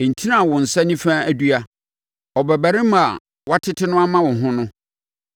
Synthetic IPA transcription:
ɪ̃˨n̩˨tʰi˦nã˦˨wʊ̃˨n̩˨sa˦nĩ˦fãː˦æ˨du˦a˨ | ɔ˨bæ˨bæ˨ɾɪ̃˦m˦a˨ | wa˦tʰɪ˦tʰɪ˦nʊ̃˦a˦mã˦wʊ̃˨ɦʊ̃˦nʊ̃˦

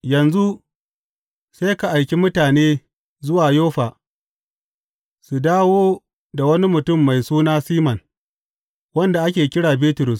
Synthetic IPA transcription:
jɐ˨nzu˦ | seː˦ka˨ʔa˨jkʲi˦mʊ˦taː˨neː˦ | zʊ˦waː˨joː˦ɸaː˨ | su˨daː˦woː˦ | da˨wɐ˦ni˦mʊ˨tʊ˦˨mːa˨jsuː˦naː˦siː˦mɐ˨n | wɐ˦nda˨ʔa˦kʲeː˨kʲɪ˦ɽaː˨biː˦tʊ˨ɾʊ˨s

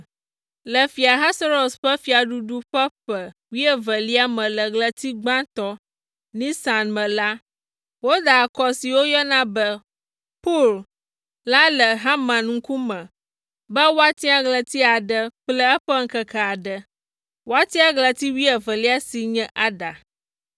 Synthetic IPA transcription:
lə˨fi˨a˨ɦa˦sa˦ɾo˨sɸə˦fi˨a˨ɖu˦ɖu˦ɸə˦ɸə˨ | wi˦ə˨və˨li˦a˦mə̃˨lə˨ɡlə˨t̪i˦ɡ͡bã˦t̪ɔ˦ | nĩ˦sa˨nmə̃˨la˦ | wo˦d̪a˨kɔ˦si˨wo˦jɔ˦nã˦bə˦ | pɔ˦˨l | la˦lə˨ɦa˦mã˨nŋ̩˦ku˦mə̃˨ | bə˦wo˦a˦t̪i˦a˨ɡlə˨t̪i˦a˨ɖə˨k͡plə˦ə˦ɸə˦ŋ̩˦kə˨ka˨a˨ɖə˨ | wo˦a˦t̪i˦a˦ɡlə˨t̪i˦wi˦ə˨və˨li˦a˦si˨ɲɛ̃˦ʔa˨ɖa˨

